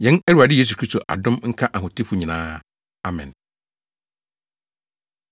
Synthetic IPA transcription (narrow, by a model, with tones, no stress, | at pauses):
jɛ̃˦nɛ˦ɾu˨a˨dɪ˦je˦s̬u˨kʰɾi˦sto˨ʔa̰˨dʊ̃˦mŋ̩˦kʰa˦ʔa˨ɦʊ̃˨tʰɪ˦fʊ˨ɲĩ˨nãː˦ | a˨mɛ̰̃˨n